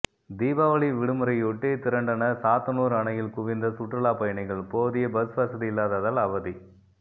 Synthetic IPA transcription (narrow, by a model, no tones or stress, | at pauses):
d̪iːbaːʋɐɭiʋɪɽɯmɯɾɐɪʊʈːit̪ɪɾɐɳɖɐnɐsaːt̪ɐnuːɾɐɳɐjɪlkʊʋɪnd̪ɐsʊʈːrɐɭaːpɐjɐɳɪɣɐɭpoːðɪjɐbɐsʋɐsɐðilːaːðɐðɐlɐʋɐði